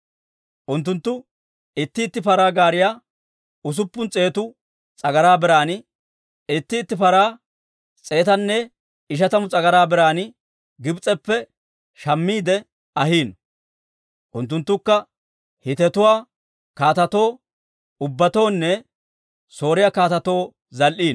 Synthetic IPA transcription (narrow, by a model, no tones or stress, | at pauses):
ʔʊnt̪ːʊnt̪ːʊ | ɪt̪ːɪːt̪ːɪpɐɾaːɡaːɾɪjaː | ʊs̬ʊpːʊnt͡sʼe̞ːt̪ʊ | t͡sʼɐɡɐɾaːbɪɾaːnɪ | ɪt̪ːɪːt̪ːɪpɐɾaː | t͡sʼe̞ːt̪ɐnːɛ | ɪʃ̬ɐt̪ɐmʊt͡sʼɐɡɐɾaːbɛɾaːnɪ | ɡɪbt͡sʼːɛpːɛ | ʃɐmːiːd̪ɛ | ɐɦiːn | ʔʊnt̪̬ːʊnt̪ːʊkːɐ | hɪt̪ɛt̪ʊwaː | kaːt̪ɐt̪o̞ː | ʊbːɐt̪o̞ːnːɛ | so̞ːɾɪjaːkaːt̪ɐt̪o̞ː | zɐlʔiːn